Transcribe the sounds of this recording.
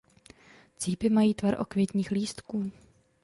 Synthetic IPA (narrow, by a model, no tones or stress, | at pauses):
t͡siːpɪmajiːt̪vaɾʔo̞̰kvʲjɛt̪ɲiːxliːst̪kuː